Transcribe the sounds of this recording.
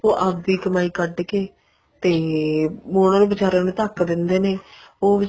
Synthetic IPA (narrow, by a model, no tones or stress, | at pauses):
oːʔaːb̚d̪iːkəmaːiːkəɖkeː | t̪eːmoːɽ̃ãːnũːbɪt͡ʃaːɾãːnũːt̪əkd̪ɪnd̪eːneːoːʋɪ